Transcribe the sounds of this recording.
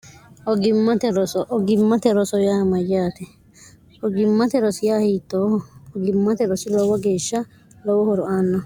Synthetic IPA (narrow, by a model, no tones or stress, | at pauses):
ʔɔɡɪmːɐt̪ɛɾɔsɔʔɔɡɪmːɐt̪ɛɾɔsɔjaːmɐjːaːt̪ɛ | ʔɔɡɪmːɐt̪ɛɾɔsɪjaːhiːt̪ːoːhɔɡɪmːɐt̪ɛɾɔsɪlɔwɔɡe̞ːʃːɐ | lɔwɔhɔɾʊʔaːnːɐ